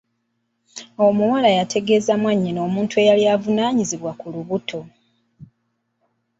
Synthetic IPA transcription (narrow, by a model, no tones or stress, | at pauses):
o̞muwalajatʰe̞ɡe̞ːzamwaɲːino̞ːmuːntue̞jaliavunaːɲiziβwakuluβutʰo̞